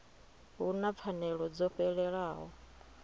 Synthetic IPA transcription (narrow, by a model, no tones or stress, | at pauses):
unap̪fʰanɛɺɔd͡zɔɸɛɺɛɺaːɦɔ